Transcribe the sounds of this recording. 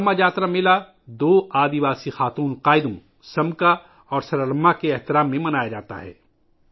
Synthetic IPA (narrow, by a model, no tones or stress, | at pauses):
mːajaːt̪ɾamɪla | d̪oːʔaːd̪iʋaːsixaːt̪uːnqaːɪd̪ũ | sɐmka | ɔːɾsɐɾɐlɐmːakeɛɦt̪ɪɾaːmːẽmɐnaːjad͡ʒaːt̪a̰ɦɛ̰ː